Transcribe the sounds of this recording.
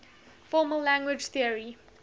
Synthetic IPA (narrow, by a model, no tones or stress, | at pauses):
fɔːməllːæ̃ŋɡwɪd͡ʒθiəɹi